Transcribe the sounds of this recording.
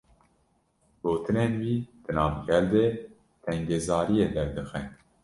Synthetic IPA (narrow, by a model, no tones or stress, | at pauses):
ɡ̥oːt̪ʰɨneːnwiːd̪̥ɨnɑːvɡʲɛld̪e | t̪ʰɛŋɡezɑːɾijeːd̪ɛɾd̪ɨxɛ